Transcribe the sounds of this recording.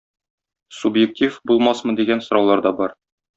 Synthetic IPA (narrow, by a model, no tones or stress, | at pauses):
subjek̚tʲʰifbulˠmɑsmɤ̆d̪iɡænsŏɾɑwlˠɑɾd̪ɒbɒɾ